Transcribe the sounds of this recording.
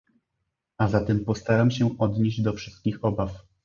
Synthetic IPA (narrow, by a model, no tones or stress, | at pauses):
azat̪ɛmpɔst̪aɾamɕɛʔɔd̪ɲeʑd͡ʑd̪ɔfʂɘ̥st̪̚kʲixɔbaf